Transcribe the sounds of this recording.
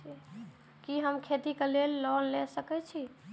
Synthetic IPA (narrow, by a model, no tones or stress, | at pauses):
i | kiɦəmkʰet̪ikelelːɔnlesəkɛt͡ʃʰi